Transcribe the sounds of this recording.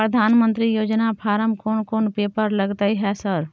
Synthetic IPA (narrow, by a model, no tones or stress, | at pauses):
pɾəd̪ʱaːnmə̃nt̪ɾijoːd͡ʒnapʰaːɾəmkoːnkoːnpeːpəɾləɡt̪aiɦɛsəɾ